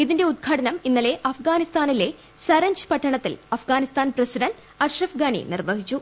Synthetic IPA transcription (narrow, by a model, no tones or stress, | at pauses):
iðinde̞ud̪̚ɡʰʱɐːɽɐnɐminːɐle̞ʔɐfɡaːnist̪aːnile̞ | sɐɾɐɲd͡ʑɨ̥pɐʈʰːɐɳɐt̪ːilɐfɡaːnist̪aːnprɐsiɖɐnd | ɐrʂɐfɡɐɳḭnirʋɐɦit͡ɕːu